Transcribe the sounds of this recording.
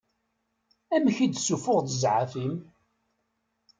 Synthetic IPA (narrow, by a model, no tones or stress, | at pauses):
æmçid̪sufʊʁd̪əzʕafim